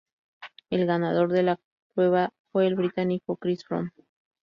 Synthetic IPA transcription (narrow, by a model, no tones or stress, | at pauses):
e̞lɣanað̞o̞ɾðe̞la | kɾwe̞β̞afwe̞ːlβɾit̪anikokɾisfɾo̰n